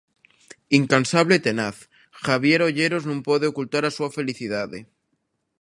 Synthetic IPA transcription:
iŋkansaβlet̪e̞naθ | xaβ̞je̞ɾo̞ʝe̞ɾo̞znũmpwoðeo̞kult̪aɾasuafe̞liθiðaðḛ

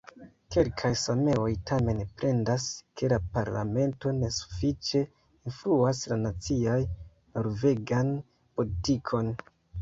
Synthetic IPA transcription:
ke̞lkʰajsame̞o̞jtʰame̞npɾʔe̞ndaske̞lapaɾla̰me̞nto̞ne̞su̥fit͡ʃe̞ | influaslanat͡siaj | no̞ɾve̞ɡan | po̞litikʰo̞n

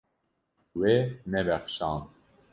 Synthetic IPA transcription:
weːnɛbɛχʃɑːn

